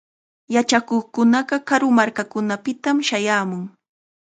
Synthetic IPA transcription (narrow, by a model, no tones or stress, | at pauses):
jat͡ʃakoχkʊnɑɢɑkaɾʊmaɾkakʊnapɪt̪amʃajaːmʊŋ